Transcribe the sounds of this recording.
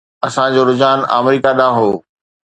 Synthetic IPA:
ɐsãd͡ʑoːɾʊd͡ʑaːna̰ːmɾiːkaɗãːɦoː

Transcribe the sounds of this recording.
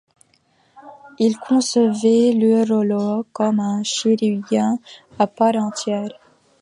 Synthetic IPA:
ilkʰɔ̃səvɛlɾolokɔmɛ̃ʃiɾijɛ̃ | apaɾɑ̃t̪jɛɾ

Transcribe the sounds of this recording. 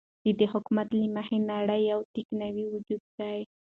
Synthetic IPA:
d̪̥əd̪ehʊkmat̪limahenaɽəjawt̪iknawiwʊd͡ʒud̪̚d̪aj

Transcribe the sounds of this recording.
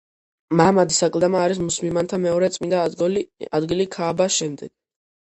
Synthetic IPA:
mamad̪isakʼlˠd̪amaːɾis̬musmimant̪ʰamɛɔɾɛt̪sʼmind̪a | ad̪ɡilikʰaːbaʃɛmd̪ɛɡ̥̚

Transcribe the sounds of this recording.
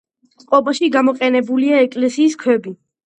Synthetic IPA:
t̪sʼqʼɔbaʃiɡamɔqʼɛnɛbuliaɛkʼlɛsiːskʰwɛbi

